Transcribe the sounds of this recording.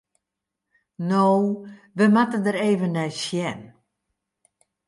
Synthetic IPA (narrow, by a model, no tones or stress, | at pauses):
noː | ʋəmatəndəɾeːvənːɛjsjɛn